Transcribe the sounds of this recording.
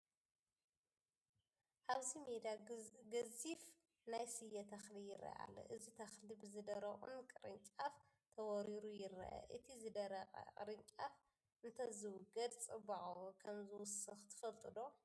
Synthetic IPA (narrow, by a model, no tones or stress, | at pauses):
ʔaβzimed̪aɡɐzif | najsɨjːɐt̪ʰɐxlijɪɾʔɐ̰ʔa̰lːo̰ʔɨzit̪ʰɐxlibɨzɨd̪ɐɾɐχʼṵnkʼɨɾɨnt͡ʃʼaf | t̪ʰɐwɔɾiɾujɪɾɐ̰ʔɐ̰ʔɨt̪ʰizɨd̪ɐɾɐqʼɐ̰kʼɨ̰ɾɨɲt͡ʃʼaf | ʔɨnt̪ʰɐzɨwʊɡɐd̪t͡sʼɨbaʕkʰɐmzɨwʊsɨxt̪ʰɨ̥fɐlt̪ʼɨd̪o̞